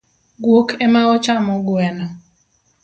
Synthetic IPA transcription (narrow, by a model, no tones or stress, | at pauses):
ɡwokʰɛmaɔt͡ʃamɔɡwɛnɔ